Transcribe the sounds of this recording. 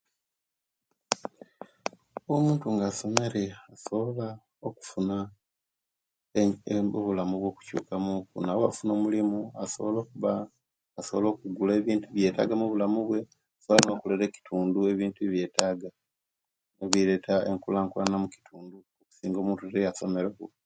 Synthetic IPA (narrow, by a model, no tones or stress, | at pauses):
oomuːntuŋɡaːso̞me̞ɾe̞aso̞βola | oku̥funa | oβulamuβwo̞ːku̥cṵːkamukṵnawoa̰funo̞ːmulimuaso̞βolo̞ːkuβaː | so̞βolo̞ːkuɡuleβiːntuβje̞ːta̰ɡamuβulamuβwe̞ | asooano̞ːkuleɾe̞ci̥tʰuːndue̞βiːntuiβje̞ːtaːɡa | neβiɾe̞taeŋkulaːŋkulanamuki̥tʰuːndu | oku̥siːŋɡo̞ːmuːntutejaso̞me̞ɾekṵ